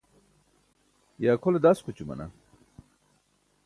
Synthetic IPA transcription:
jaːkʰoled̪askʰut͡ɕumɐ̰na̰

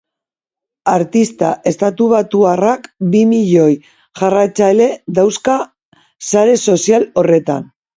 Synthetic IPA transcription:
aɾt̪ist̪aʔe̞st̪at̪uβat̪uarakbimiʎo̞j | ʝarajt͡saele̞d̪awska | saɾe̞so̞sialo̞re̞t̪a̰n

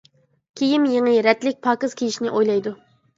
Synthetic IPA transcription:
kʲʰejimjeŋɨɾɛt̪lɪk̚ʲpʰɑːkɨz̥kʲʰijiʃnɪʔojlˠɑjd̪u

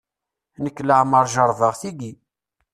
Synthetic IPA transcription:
nəkːləʕməɾˤʒəɾˤðˤəʁθiɡi

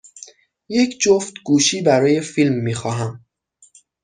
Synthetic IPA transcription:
je̞cʰd͡ʒoft̪ɡuːʃiːbæɾɒːje̞filmːiːxɒːɦæm

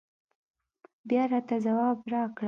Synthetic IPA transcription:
bjɑɾɑt̪azawɑbɾɑkɽa

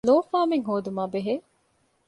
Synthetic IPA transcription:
loːfaːmeŋɦoːd̪umaːbeɦeː

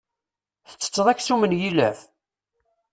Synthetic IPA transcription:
θə̥t͡sːə̥t͡sːəðˤæçsumənjilæ̰f

